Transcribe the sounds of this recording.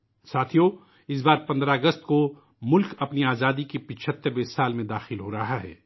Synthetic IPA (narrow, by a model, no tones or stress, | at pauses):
saːt̪ʰijo | ɪs̬baːɾpɐ̃nd̪ɾaɐɡəst̪ko | mʊlkɐpniaːzaːd̪ikipɪt͡ʃʰət̪ːəɾwesaːlmẽd̪aːxɪlɦoɾɐɦaɦɛ̰ː